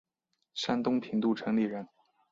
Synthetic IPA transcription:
ʂa˥nt̪ʊ˥ŋpʰi˧˥ŋt̪u˥˩ʈ͡ʂʰɤ˧˥ŋli˥˩ɻə˧˥n

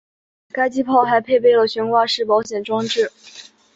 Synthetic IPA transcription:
ka˥ɪt͡ɕi˥pʰɑ˥˩ʊxa˧˥ɪpʰe˥˧ɪpe˥˩ɪlə˩ɕɥɛ˧˥nkwa˥˧ʂɻ̩˥˩pɑ˧˥ʊɕjɛ˨˩nʈ͡ʂwɑ˥ŋʈ͡ʂɻ̩˥˩

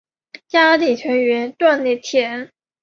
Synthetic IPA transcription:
t͡ɕa˥li˨˩t͡ɕʰɥɛ˧˥nɥɛ˧˥nt̪wa˥˧nli˥˩t̪ʰjɛ˧˥˦n

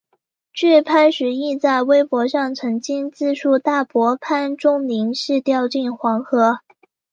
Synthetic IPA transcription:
t͡ɕy˥˩pʰa˥nʂɻ̩˧˥i˥˧t͡sa˥˩ɪwe˥ɪpwɔ˧˥ʂɑ˥˩ŋt͡sʰɤ˧˥ŋt͡ɕi˥nt͡sɹ̩˥˧ʂu˥˧t̪a˥˩pwɔ˧˥pʰa˥nʈ͡ʂʊ˥ŋli˧˥ŋʂɻ̩˥˧t̪jɑ˥˧ʊt͡ɕi˥˩nxwɑ˧˥ŋxɤ˧˥

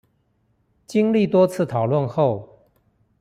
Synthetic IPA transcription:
t͡ɕi˥˦ŋli˥˨t̪wɔ˦t͡sʰɹ̩˥˨t̪ʰɑ˨˩ʊlwə˥˨nxo˥˨ʊ

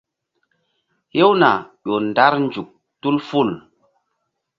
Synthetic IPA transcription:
he˦wna˨ɗo˨nda˦ɾnd͡ʒu˨k̚ | tu˦lfu˦˨l

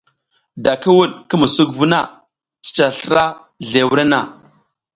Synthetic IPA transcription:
da˨ki˦wu˦ɗkə˦mu˨su˦kvu˦na˦˨ | t͡ʃi̥˦˨t͡ʃa˨ɬɾa˦ | ɮe˨wu˦ɾe˦na˨

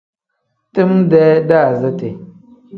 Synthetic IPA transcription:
ti˦mdɛ˦da˦˨zə˦te˨

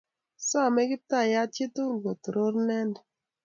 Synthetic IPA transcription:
sɔ˦a˨mɛ˦ɡɪ˦ta˦˨ja˦t͡ʃi˦to˦ŋ˨ɡo˨tɾo˦ɾnɛ˦nd

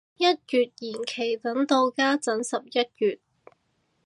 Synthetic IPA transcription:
jɐ˥t̚kyː˨t̚jiː˨˩nkʰe˨˩jt̪ɐ˨˥nt̪o˧wkaː˥t͡sɐ˨˥nsɐ˨p̚jɐ˥t̚kyː˨t̚

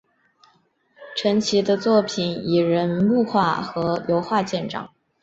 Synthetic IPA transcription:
ʈ͡ʂʰə˧˥nt͡ɕʰi˧˥d̪ə˧t͡swɔ˥˩pʰi˨˩ni˨˩ɻə˧˥nmu˥˧xwa˥˩xɤ˧˥jo˧˥ʊxwa˥˧t͡ɕjɛ˥˧nʈ͡ʂɑ̰˥˩˦ŋ

